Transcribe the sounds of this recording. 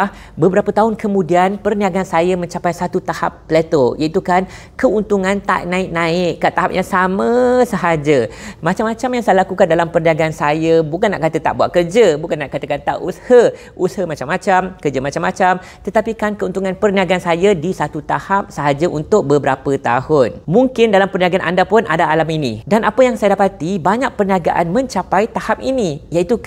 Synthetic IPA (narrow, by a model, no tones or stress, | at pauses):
bəbəɾapət̪aɦʊnkəmũdianpərniaɡansajamə̃ɲt͡ʃapajsat̪ut̪aha̰pːlɛt̪ojait̪ukan | kəunt̪uŋãnt̪a̰ʔnãɪk̚nãɪkkat̪aɦap̚jaŋsamə̃səɦad͡ʒəmãt͡ʃamãt͡ʃamjaŋsajəlakukandalampərniaɡansajəbukanːa̰ʔkat̪ət̪a̰ʔbuat̪ʔkərd͡ʒəbukanːaʔkat̪əkant̪a̰ʔṵshə | ʔushəmat͡ʃamːãt͡ʃamkərd͡ʒəmat͡ʃamːat͡ʃam | t̪ət̪apikankəunt̪uŋanpərniaɡaansajadisat̪ut̪ahap̚səɦad͡ʒaʔunt̪ʊk̚bəbəɾapət̪a̰hʊnmuŋkɪndalampərniaɡanʔa̰ndapʊnʔadaːlaminḭ̃danapəjaŋsajadapat̪ibaɲak̚pərniaɡaʔa̰nmə̃ɲt͡ʃapajt̪ahap̚inĩjait̪u